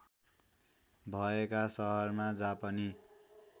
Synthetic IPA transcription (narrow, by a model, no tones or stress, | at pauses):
bʱʌekasʌɦʌrmad͡zapʌni